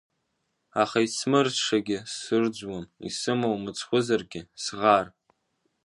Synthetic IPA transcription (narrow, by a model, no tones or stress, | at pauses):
aχait͡sʰmɨrʂaɡʲɪsɨrd͡ʒʷwamḭsɨmowmɨt͡sʰχʷʊzarɡʲɪsʁar